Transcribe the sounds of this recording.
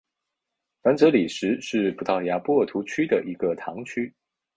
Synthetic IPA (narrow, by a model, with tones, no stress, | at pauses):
fa˧˥nt͡sɤ˧˥li˨˩ʂɻ̩˧˥ʂɻ̩˥˩pu˧˥t̪ɑ˥˩ʊja˧˥pwɔ˥t̪ʰu˧˥t͡ɕʰy˥d̪ə˨ʔi˧˥ɡə˧t̪ʰɑ˧˥ŋt͡ɕʰy˥